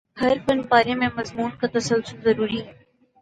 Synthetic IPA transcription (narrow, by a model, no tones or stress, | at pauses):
hɐɾpɐnpaːɾẽmẽmɐzmuːnkat̪ɐsɐlsʊlzɐɾuːɾiɦɛ